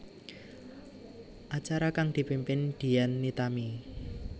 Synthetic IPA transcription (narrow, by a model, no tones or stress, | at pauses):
ʔat͡ʃaɾakaŋd̪̥i̤pimpɪnd̪̥i̤janːit̪ami